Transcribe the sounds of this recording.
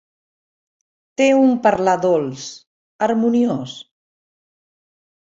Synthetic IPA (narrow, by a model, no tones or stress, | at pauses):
t̪eumpəɾlaðolˠs | əɾmunios